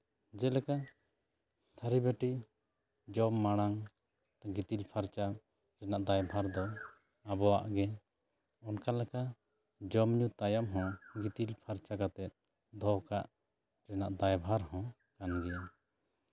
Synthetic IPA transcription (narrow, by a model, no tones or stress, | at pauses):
d͡ʒɛlɛka | t̪ʰaɾibɛʈi | d͡ʒɔmːaɽ̃aŋ | ɡit̪ilpʰaɾt͡ʃa | ɾɛnaʔd̪ajbʱaɾd̪ɔ | abɔwa̰ʔɡɛ | ɔnkalɛka | d͡ʒɔmɲut̪ajamɦɔ̃ɡit̪ilpʰaɾt͡ʃakat̪ɛt̪̚ | d̪ʱɔkaʔ | ɾɛnaʔd̪ajbʱaɾhɔ̃ | kanɡɛja